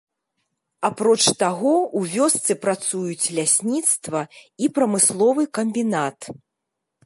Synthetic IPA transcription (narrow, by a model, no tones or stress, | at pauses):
apɾɔt͡ʂt̪aɣɔwvʲɔst̪sɨpɾat̪sujut͡sʲlʲasʲnʲit̪st̪vɐipɾɐmɨslˠɔvɨkɐmʲbʲinat̪